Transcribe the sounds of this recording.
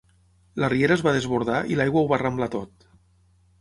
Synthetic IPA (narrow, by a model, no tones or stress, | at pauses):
lərieɾəːzβaðəzβuɾðaʔilajɣwəwβarəmblat̪ot̪